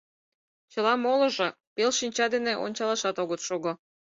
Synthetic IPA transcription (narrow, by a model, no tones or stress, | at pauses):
t͡ɕəlɑmolɤ̆ʒɤ | pelʃinʲt͡ɕɑd̪eneʔo̰nʲt͡ɕɑlɑʃɑt̪oɣət̪ʃoɣŏ